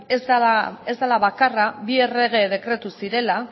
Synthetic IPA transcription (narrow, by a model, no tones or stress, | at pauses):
ezd̪aae̞zd̪alaβakaraβie̞re̞ɣ̞e̞ð̞e̞kɾe̞t̪usiɾe̞la